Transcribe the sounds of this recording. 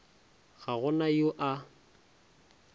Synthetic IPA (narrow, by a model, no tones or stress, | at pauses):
ɣaɣʊnajoʔa